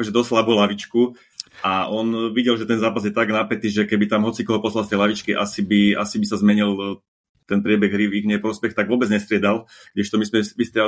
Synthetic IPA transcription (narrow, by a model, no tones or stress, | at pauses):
ɔʒɛd̪ɔslabuːlaʋit͡ʃku | ʔaɔnʋiɟɛlʒɛt̪ɛnzaːpazjɛt̪aɡnapɛt̪iːʒɛkɛbit̪amɦɔt͡sikɔɦɔpɔslalst̪ɛjlaʋit͡ʃkiʔa̰sibia̰sibisazmɛɲil | t̪ɛnpɾɪɛbɛɣɦɾiʋiɡɲɛpɾɔspɛxt̪aɡʋʊɔːbɛd͡zɲɛst̪ɾɪɛd̪al | ɡ̥ɟɛʃt̪ɔmismɛmist̪ɾɪɛ